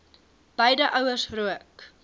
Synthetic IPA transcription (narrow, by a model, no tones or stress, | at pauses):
b̥əjdəʔɐwərsruək